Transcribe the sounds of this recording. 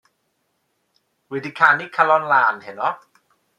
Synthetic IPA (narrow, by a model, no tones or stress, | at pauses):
widikʰaːnːiːkʰalɔnlaːnɦennɔ